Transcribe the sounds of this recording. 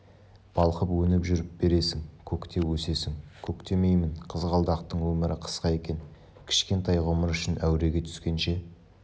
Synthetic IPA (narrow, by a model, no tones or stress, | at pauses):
b̥ɑlˠqəpwɵnɪpʒʏɾɪp̚be̞ɾe̞sɪŋkʲʰɵkt̪e̞wɵse̞sɪŋkʲʰɵkt̪e̞me̞jmɪnqʰəzʁɑlˠd̪ɑqt̪əɴwɵmɪɾɪqʰə̥sqɑje̞kʲe̞n | kʲʰɪ̥ʃkʲe̞nt̪ɑjʁʊməɾʏʃɪnʔæwɾe̞ɡʲe̞t̪ʰʏ̥skʲe̞nʃe̞